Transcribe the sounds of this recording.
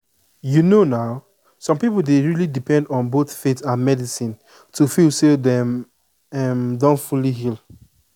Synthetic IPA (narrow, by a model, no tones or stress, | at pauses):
junonaʊ | sɔ̃mpipl̩ˠdeɹilidipɛ̃ndɔ̃nboθfetãnmɛdisĩn | tʰufilsedɛm | ɛmdɔ̃nfuliɦilˠ